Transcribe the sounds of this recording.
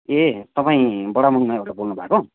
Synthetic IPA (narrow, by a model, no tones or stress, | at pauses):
et̪ʌpaĩbʌɽamuŋmajoɾʈabolnubʱako